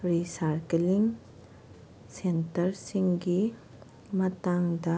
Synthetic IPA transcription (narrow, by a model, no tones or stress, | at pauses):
ɾisaɾkeliŋ | sentəɾsiŋɡi | mɐt̪aŋd̪a